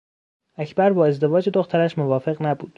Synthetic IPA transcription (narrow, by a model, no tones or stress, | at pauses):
ʔæcʰbæɾbɒːe̞zd̪e̞vɒːd͡ʒed̪oxt̪ʰæɾæʃmo̞vɒːfe̞ɣnæbuːd̪̥